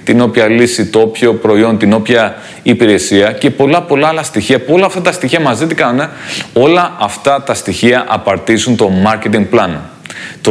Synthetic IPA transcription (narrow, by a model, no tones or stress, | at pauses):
t̪ino̞pçɐlisit̪oopço̞pɾo̞io̞nt̪ino̞pçɐ | ipiɾe̞siɐce̞po̞lɐpo̞lɐɐlɐst̪içiɐpuo̞lɐːft̪ɐt̪ɐst̪içiɐmɐzit̪ikɐnuneo̞lɐʔɐft̪ɐt̪ɐst̪içiɐʔɐpɐɾt̪izunt̪o̞mɐɾce̞t̪iŋɡ̚plɐnt̪o